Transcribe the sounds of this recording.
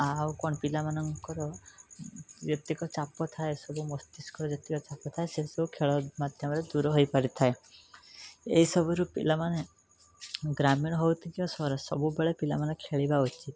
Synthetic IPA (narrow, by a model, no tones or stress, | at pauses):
awukɔɳ̃pilamanɔŋkɔɾɔ | bjɔt̪ikɔt͡ʃapɔt̪ʰaesɔbumɔst̪iskɔɾɔbjɔt̪ikɔt͡ʃapɔt̪ʰaesesɔbukʰeɭɔmad̪ʱjɔmɔɾed̪uɾɔɦɔjpaɾit̪ʰae | eɦisɔbɔɾupḭlamane | ɡɾamiɽ̃ɔɦɔwt̪ʰikiɔsɔɔɾɔsɔbubeɭepilamanekʰeɭibaut͡ʃit̪